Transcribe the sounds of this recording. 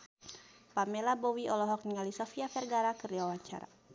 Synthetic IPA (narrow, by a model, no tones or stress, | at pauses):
pamɛlabɔwiʔɔlɔɦɔk̚niŋalisɔfiafɛrɡaɾakərdiwawaɲt͡ʃa̰ɾa̰